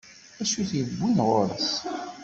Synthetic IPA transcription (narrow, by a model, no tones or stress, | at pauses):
æʃuθjəbːinʁoɾəθ